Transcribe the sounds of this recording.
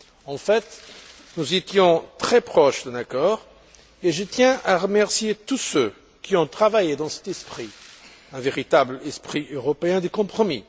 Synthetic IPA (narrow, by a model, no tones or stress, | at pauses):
ɑ̃fɛt̪ | nuzet̪jɔ̃t̪χɛpχɔʃd̪ɛ̃nakɔʁ | eʒət̪jɛ̃aʁəmɛʁsjet̪usø | kʲiɔ̃t̪χavajed̪ɑ̃sɛ̥t̪ɛspχi | ɛ̃veʁit̪ablɛspχiʔøʁɔpeɛ̃d̪əkɔ̃pχɔmḭ